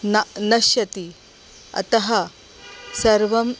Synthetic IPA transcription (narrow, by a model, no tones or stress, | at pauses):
nɐnɐʃjɐt̪i | ɐ̰t̪ɐɦɐ | sɐɾʋɐm